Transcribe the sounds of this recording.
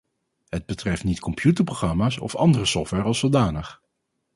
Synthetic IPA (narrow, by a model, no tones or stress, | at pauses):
ɦəd̚bətrɛftnitkɔmpʰjutəɹproχrɑmaːsɔ̰fɑndərəsɔftʋɛɹɑlˠsəlˠdaːnəχ